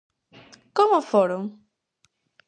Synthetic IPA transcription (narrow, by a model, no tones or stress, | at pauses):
komʊfoɾõŋ